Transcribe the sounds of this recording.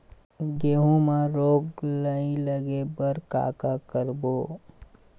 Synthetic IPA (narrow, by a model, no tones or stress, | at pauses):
ɡeːɦũmaɾoːɡləĩləɡebəɾka̰ːkakəɾboː